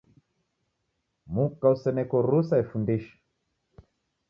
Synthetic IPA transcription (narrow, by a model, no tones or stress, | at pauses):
mukːausɛnɛkɔɾusaɛfundiʃḁ